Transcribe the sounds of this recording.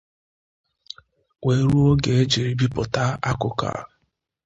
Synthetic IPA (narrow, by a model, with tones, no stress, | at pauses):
we˨˦ɾu˦o˦ɡe˨e˦d͡ʒi˨ɾi˨bi˦pʊ˨ta˦a˦kʊ˨ka̰˨